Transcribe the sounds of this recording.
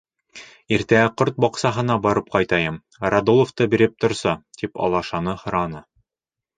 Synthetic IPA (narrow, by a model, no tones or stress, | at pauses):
iɾt̪ææqoɾt̪̚bɑqsɑɦɤ̆nɑbɒɾɤp̚qɑjt̪ɑjɤm | ɾad̪olˠŏft̪ɤbiɾɘp̚t̪ŏɾsɑt̪ipɒ̰lˠɑʃɑnɤhɤ̆ɾɑnɤ